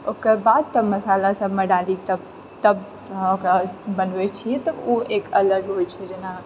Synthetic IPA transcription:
okəɾbad̪̚t̪əməsalasəbmeɖalit̪əb | t̪əb | okɾabənbɛt͡ʃʰijɛt̪əoekələɡɦojt͡ʃʰɛd͡ʒena

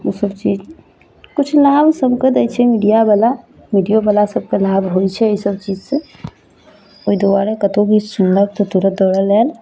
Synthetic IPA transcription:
osəbt͡ʃiːd͡ʒ | kʊt͡ʃʰlaːbsəbked̪ɛt͡ʃʰɛmiɖijabala | miɖijobəlasəb̚kelaːbɦoit͡ʃʰɛisəbt͡ʃiːd͡ʒse | oid̪oaɾekət̪õɡisə̃nləb̚t̪ot̪uɾət̪̚d̪oːɽəlɛːl

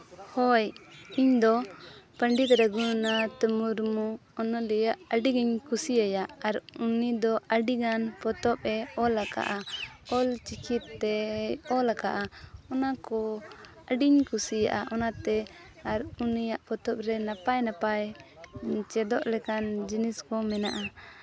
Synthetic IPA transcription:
hɔjiɲd̪ɔpəɳɖit̪ɾəɡunat̪əmuɾmuɔnɔlɛjaʔəɖiɡiɲkusiajaaɾunid̪ɔʔəɖiɡanpɔt̪ɔp̚ɛɔlaka̰ʔaɔlt͡ʃikit̪ːɛɔlakaʔaɔnakɔ | əɖiɲkusija̰ʔaʔɔnat̪ɛ | aɾunijaʔpɔt̪ɔp̚ɾɛnapajnapaj | t͡ʃɛd̪ɔʔlɛkand͡ʒinɛskɔmɛna̰ʔa

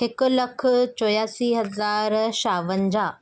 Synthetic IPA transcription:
ɦɪkʊ̆lɐkʰt͡ɕɔːjaːsiɦɐzaːɾʃaːʋənɪ̆d͡ʑaː

